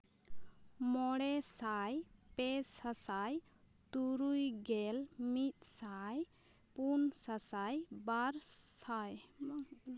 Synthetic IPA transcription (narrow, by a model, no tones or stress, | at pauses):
mɔɽɛsajpɛsasaj | t̪uɾujɡɛlmit̪̚saj | punsasajbaɾsaj